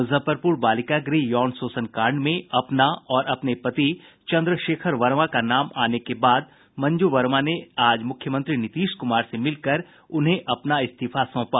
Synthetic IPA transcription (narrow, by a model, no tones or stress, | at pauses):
ʊzʱəpəɾpuːɾbaːlɪkaɡɾiːjɔːnsoːsənkaːɾɳɖmẽɐpnaɔːɾɐpnepɐt̪i | t͡ʃɐ̃nd̪ɾəʃeːkʰəɾʋɐɾʋakanaːmaːnekebaːd̪̚ | mɐ̃ɲd͡ʒuʋɐɾmaneaːd͡ʒmʊkʰjəmə̃nt̪ɾinɪt̪iːʃkʊmaːɾsemɪlkəɾ | ʊnɦẽʔɐpnaɪst̪ɪfasɔ̃ːpaː